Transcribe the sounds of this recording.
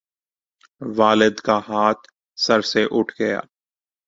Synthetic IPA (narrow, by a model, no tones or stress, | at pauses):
ʋaːlɪd̪kaɦaːt̪ʰ | sɐɾseʔʊʈʰɡɐja̰ː